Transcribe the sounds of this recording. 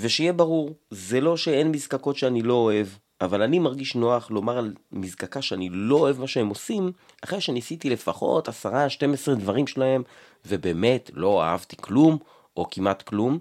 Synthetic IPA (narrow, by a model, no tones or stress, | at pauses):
veʃejebaʁuʁzelo̞ʃeenmizkako̞tʃeanilo̞ːe̞v | ʔavalanimaʁɡiʃno̞aχlo̞maʁalmizkakaʃeanilo̞ːe̞vmaʃeemo̞sim | aχʁe̞jʃenisit̪ile̞faχo̞̰tasaʁaʃte̞mesʁed̪vaʁimʃelahe̞m | vebe̞ːme̞tlo̞a̰ha̰vt̪iklum | ʔo̞kimat̪klum